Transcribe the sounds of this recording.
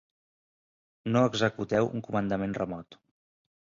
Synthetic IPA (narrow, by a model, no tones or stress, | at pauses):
noəɡzəkut̪ɛwʔṵŋkumənd̪əmenrəmɔt̪